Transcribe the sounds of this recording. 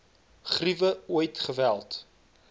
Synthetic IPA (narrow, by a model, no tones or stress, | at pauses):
χrivəuəjtχəvælˠt